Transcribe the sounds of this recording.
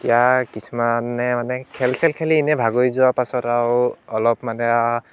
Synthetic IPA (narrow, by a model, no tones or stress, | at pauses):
ijakisumanːɛmanɛkʰɛlsɛlkʰɛliːnɛbʱaɡojzuwapasɔtawɔlɔp̚manɛa